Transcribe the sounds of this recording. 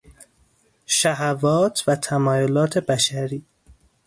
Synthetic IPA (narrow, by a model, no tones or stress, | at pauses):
ʃæɦævɒːt̪ʰvæt̪ʰæmɒːjolɒːt̪ʰe̞bæʃæɾiː